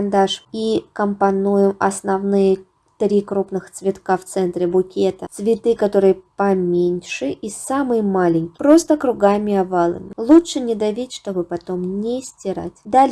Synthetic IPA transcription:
nd̪aʂikəmpɐnujɪmɐsnɐvnɨjə | t̪ɾʲikɾupnɨxt̪svʲɪt̪kaft̪sɛnt̪ɾʲɪbʊkʲet̪ət̪svʲɪt̪ɨkɐt̪o̞ɾɨjəpɐmʲenʲʂɨʔisamɨjəmalʲɪnʲkʲɪ̥pɾo̞st̪əkɾʊɡamʲɪɐvalˠə̰mʲɪ̰lˠutʂɨnʲɪd̪ɐvʲitʲʂt̪o̞bɨpɐt̪o̞mnʲesʲtʲɪɾa̰tʲd̪alʲ

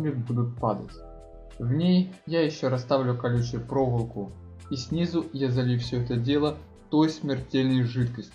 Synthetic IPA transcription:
lʲɪt̪bud̪ʊt̪̚pad̪ə̰tʲ | vnʲejjajɪɕːoɾɐst̪avlʲʊkɐlʲut͡ɕəpɾo̞vəlˠkʊ | isʲnʲizʊjazɐlʲifsʲɵɛt̪ədʲe̞lˠə | t̪ojsmʲɪrtʲelʲnəjʐɨt̪kəsʲtʲɪ

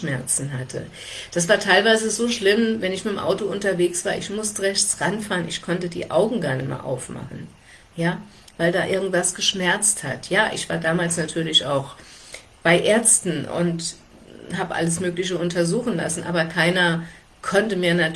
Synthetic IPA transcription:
ʃmɛɐt͡sn̩ɦatʰə̰ | d̥asv̥aːɐtʰaɪlvaɪzəzoːʃlɪmvɛnɪçmɪtmʔa̰ʊtoʊntɐveːksv̥aːɐɪçmʊstəʁɛçt͡sʁanfaːʁənɪçkʰɔntədḭːʔa̰ʊɡŋ̩ɡaɐnəma̰ɐʔa̰ʊfma̰χn̩ | jaː | vaɪldaːʔɪɐɡŋ̩tv̥asɡ̥əʃmɛɐt͡stha̰tjaːʔɪ̰çv̥a̰ːɐdaːmaːlsnatʰyːɐlɪça̰ʊx | b̥aɪʔeːɐstn̩ʔʊ̰nt | ɦaːbəʔa̰ləs̬møːklɪç̬əʊntɐzuːxn̩la̰sn̩ʔa̰ːbɐkʰaɪnɐ | kʰɔntəmiːɐna

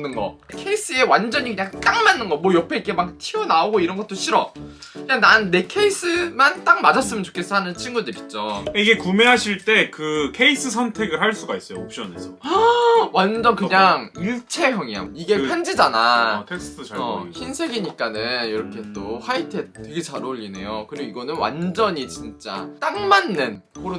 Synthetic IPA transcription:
nɯnɡʌ̰kʰe̞is͈ɯe̞wand͡ʑʌɲikɯɲaŋk͈aŋmanːɯnɡʌmwʌjʌpʰe̞ik͈ʰːemak̚tʰiʌnaoɡoiɾʌnɡʌt͈oɕʰiɾʌkɯɲaŋnanːe̞kʰe̞is͈ɯmant͈ak̚mad͡ʑas͈ɯmjɯnt͡ɕo̥kʰes͈ɦanɯnt͡ɕʰinɡudɯɾit͡ɕ͈okaiɡe̞kume̞ɦaɕʰiɭt͈e̞kɯkʰe̞is͈ɯs̬ʰʌntʰe̞ɡɯɾɦaɭs͈uɡais͈ʌjoop̚ɕ͈ʌnesʰʌ | wand͡ʑʌnkɯɲaŋiɭt͡ɕʰe̞jʌŋja̰miɡe̞pʰand͡ʑid͡ʑanatʰek̚sʰtʰʌçinsʰe̞ɡiɲik͈anɯniɾʌkʰe̞t͈ohaitʰe̞d̚tːwe̞ɡe̞t͡ɕaɾoʎːine̞̰jokɯɾiɡoiɡʌnɯnwa̰nd͡ʑʌɲit͡ɕint͡ɕ͈a̰t͈aŋmanːɯnkʰoɾo

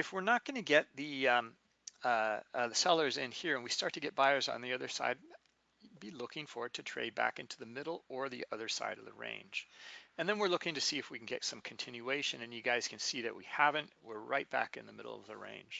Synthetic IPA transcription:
ɨfwɪɹnət̚ɡ̥ʌnɨɡɛt̪̚ðɨ̃ | ðɨsɛlˠə˞zɪ̃nhiɹɨ̃nwistɑɹtʰɨɡɛt̚b̥aɪə˞zn̩ðiʌðə˞sa̰ɪd̚ | bilʊkɪ̃ŋfə˞ɨtʰɨtʰɹ̥ḛɪbæ̰kɪ̃ntʰʉðɨmɪɾl̩ˠə˞ðḭʔʌðə˞sa̰ɪɾʌvðə̰ɹḛ̃ɪ̃nd͡ʒɨ̃nðɨ̃nwɨɹlʊkɪ̃ŋtɨsiɨfwikn̩ɡɛ̰tsʌ̃mkʰn̩tʰɪ̃njʉeɪʃɨ̃nɨ̃njɨɡaɪz̥kʰn̩siðɨ̰ʔ̚wḭhævɨ̃nʔwɪɹɹa̰ɪt̚b̥æ̰kɨ̃nðɨmɪ̰ɾl̩ˠʌ̰vðɨɹḛ̃ɪ̃nʒ̥

